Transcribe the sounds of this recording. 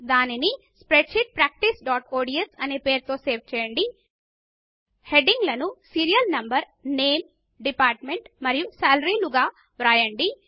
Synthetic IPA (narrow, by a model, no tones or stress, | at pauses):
d̪aːnini | spɾeʈʃiʈ̚pɾaːk̚ʈisɖaːʈoːɖiesɐneːpeːɾt̪o̞ːseːɾʋt͡ʃɛːjɐɳɖi | heɖiŋɡlɐnusiːɾijɐlnɐmbɐɾ | neːm | ɖipaːɾʈmeɳʈmɐɾijusaːlɐɾiluɡaː | ʋɾaːjɐɳɖi